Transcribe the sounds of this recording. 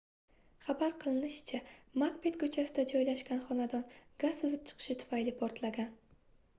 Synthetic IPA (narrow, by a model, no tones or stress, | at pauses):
χabaɾqʰɨlˠɪnɪʃɪ̥t͡ʃʰamakpe̞t̪kʰɵt͡ʃʰasɪd̪ad͡ʒɒjlaʃkʲanχɒnad̪ɒnɡazɨzɪp̚t͡ʃʰɨ̥qʰɨ̥ʃɪt̪ʰʊ̥fajlɪpʰɒɾt̪laɡʲan